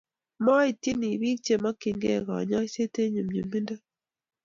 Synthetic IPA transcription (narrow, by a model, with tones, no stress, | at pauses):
ma˦i˨ti˦ni˨βi˦k̚t͡ʃe˨ma˦ki˨ŋɡḛ˦˨ɣa̰˨ɲa˦se˦te˦ɲu˨mɲu˨mi˦nda˦